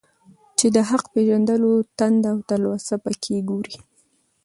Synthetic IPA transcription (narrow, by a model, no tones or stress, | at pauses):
t͡ʃed̪əɦaqpeʒand̪əlot̪and̪aawt̪alwasapəkʰeɡoɾi